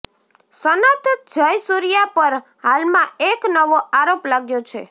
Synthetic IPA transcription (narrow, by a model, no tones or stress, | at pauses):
sənat̪d͡ʒəjsuɾijapəɾ | halmãeknəʋoʔaɾoplaɡjot͡ʃʰḛ